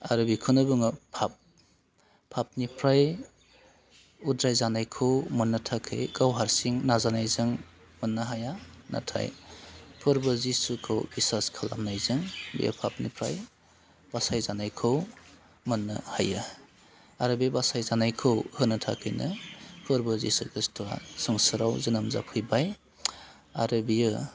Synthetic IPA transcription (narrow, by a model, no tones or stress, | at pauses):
aɾubikʰɯnɯbɯŋɐpʰap̚ʰː | ap̚nipʰɾaj | udɾajzanajkʰɯwmɐnːɐtʰakʰɯ̰jɡawɦaɾsiŋnazanajzɯŋ | mɐnːɐɦajana̰tʰa̰jpʰɯɾbɯzisukʰɯwbisaskʰala̰mnajzɯŋbḭja̰pʰap̚nipʰɾa̰j | b̥asajzanajkʰɯw | mɐnːɯha̰jɯ | aɾɯbibasajzanajkʰɯwhɯnɯtʰa̰kʰɯjnɯpʰɯɾbɯzḭsuɡɯstʰua̰sɯŋsɯɾawzɯnamza̰pʰɯjbaj | a̰ɾɯbijɯ